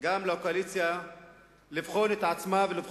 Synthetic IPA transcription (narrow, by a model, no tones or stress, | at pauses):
ɡamleokalit͡sja | livχo̞net̪aat͡smaveliv